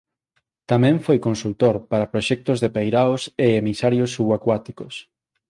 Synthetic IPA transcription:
t̪amɛ̃ɱfojkõnsult̪oɾpaɾɐpɾoʃɛk̚t̪ʊzðepejɾawseemisaɾjosuɣakwat̪ikos

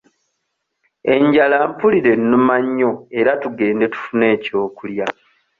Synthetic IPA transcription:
e̞ɲɟalampuliɾe̞nːumaɲːo̞e̞ɾatuɡe̞ːnde̞tu̥fune̞ːco̞ːkulja

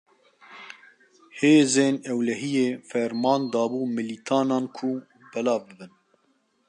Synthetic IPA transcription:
heːzeːnɛwlɛɦijeːfɛɾmɑːnd̪ɑːbuːmɨlit̪ʰɑːnɑːnkʰʊ | bɛlɑːvbɨbɨn

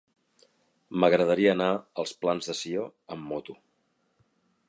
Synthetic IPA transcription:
məɣɾəðəɾiəːnaəlˠsplanzðəsioəmːot̪u

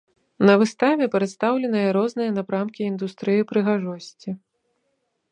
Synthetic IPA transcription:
nɐvɨst̪avʲɛpʲɾɛt̪st̪awlʲɛnɨjɐɾɔznɨjɐnapɾamkʲiːnd̪ust̪ɾɨjipɾɨɣaʐɔsʲt͡sʲi

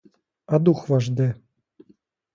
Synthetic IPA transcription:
ad̪uxvaʐd̪ɘ

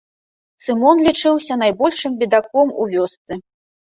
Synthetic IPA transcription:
sɨmɔnlʲit͡ʂɨwsʲɐnajbɔlʲʂɨmbʲid̪akɔmṵvʲɔst̪sɨ

